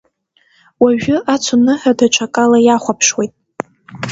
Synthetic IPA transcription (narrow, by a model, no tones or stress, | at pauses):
waʒᶣʊʔat͡sʷʰʊnɨħadat͡ʃʷʰakʼalajaχʷapʰʂwejtʼ